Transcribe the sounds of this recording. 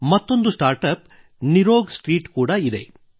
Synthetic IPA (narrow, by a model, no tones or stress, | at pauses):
mɐt̪ːo̞nd̪usʈaːɾʈɐp̚ | niɾoːɡsʈɾiːʈkuːɽɐid̪e̞̰